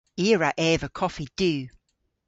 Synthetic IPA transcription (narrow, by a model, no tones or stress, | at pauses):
iːəɹaʔɛːvəkʰɔfid̥ʉː